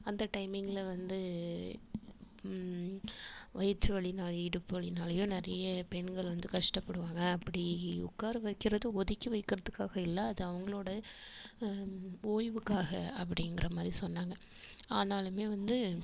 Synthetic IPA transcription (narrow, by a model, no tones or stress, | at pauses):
ɐnd̪ɐʈɐɪmɪŋɡɪlʋɐnd̪ɯ | ʋɐjɐt͡ʃːɯʋɐɭinaːɭɪɽɯpːɯɐɭɪnaːlɐjʊ̃nɪɾɐjɐpɛɳɡɐɭʋɐnd̪ɯkɐʂʈɐpːɐɽɯʋaːŋɡɐːpːɐɽiʊ̰kːaːɾɯʋɐɪkːɪɾɐðɯɔðɪkːiʋɐɪkːɪɾɐðɯkːaːɣɐɪlːɐːðɯɐʋɐŋɡɐɭoːɽɐ | oːjʋɯkːaːɣɐɐp̬ːɐɽɪŋɡɪɾɐmaːd̪ɾisɔnːaːŋɡɐ | aːnaːlɯmeːʋɐnd̪ɯ